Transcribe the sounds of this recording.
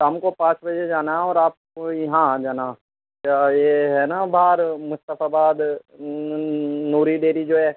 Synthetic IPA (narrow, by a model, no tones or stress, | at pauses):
ɦɐmkopãːt͡ʃbɐd͡ʒed͡ʒaːnaɔːɾaːp̚ojɐɦãd͡ʒaːna | kaːjeɦɛːnabʱaːɾmʊst̪əfʰabaːd̪ | nuːɾiɖeːɾid͡ʒoːɦɛː